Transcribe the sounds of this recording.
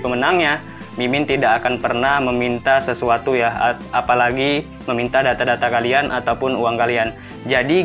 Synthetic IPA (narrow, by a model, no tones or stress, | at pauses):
pəmənaŋɲa | mimɪnt̪idaʔakanpərnahməmint̪asəsuat̪ujah | apalaɡi | məmint̪adat̪adat̪akalianʔat̪awpʊnuwaŋkalian | d͡ʒadi